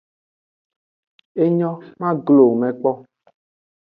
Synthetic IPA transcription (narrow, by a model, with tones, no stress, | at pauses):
e˦ɲɔ̃˦mã˦ɡlo˨mɛ̃˨k͡pɔ˦